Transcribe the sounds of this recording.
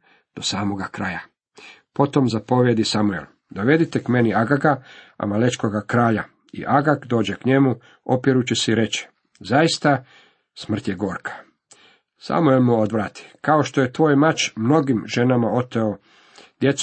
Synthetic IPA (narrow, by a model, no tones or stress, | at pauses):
d̪̥o̞saːmo̞ɡakɾaja | po̞t̪o̞mzapo̞ʋje̞d̪isamuḛl | d̪o̞ʋe̞d̪it̪ekme̞niaɡaɡa | a̰malet͡ʃkoɡakɾaːʎa | ḭʔaɡakd̪o̞ːd͡ʑe̞kɲe̞mu | o̞pjeɾut͡ɕesiɾe̞t͡ɕi̥ | zaist̪a | smr̩t̪je̞ɡo̞ːɾkʰḁ | sa̰muelmuod̪ʋɾaːt̪i̥kaoʃt̪o̞je̞t̪ʋo̞ːjmat͡ʃmno̞ɡimʒe̞namao̞t̪eo | d̪̥je̞t̪s